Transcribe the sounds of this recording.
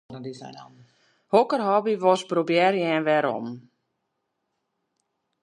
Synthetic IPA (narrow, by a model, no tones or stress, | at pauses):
isɔ | hokərɦɔbiʋɔsbrobjɛrjɛːnʋɛɾɔ̰m